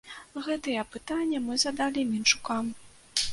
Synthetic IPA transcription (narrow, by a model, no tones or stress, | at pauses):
ɣɛt̪ɨjɛpɨt̪anʲːɐmɨzɐd̪alʲimʲint͡ʂu̥kam